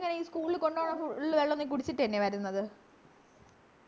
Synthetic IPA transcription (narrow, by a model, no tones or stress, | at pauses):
ŋːɐneiːskuːɭilko̞ɳɖoːɳɐfuilʋeɭːonːɨk̬uɽit͡ɕːiʈːenːeʋɐɾunːɐðɨ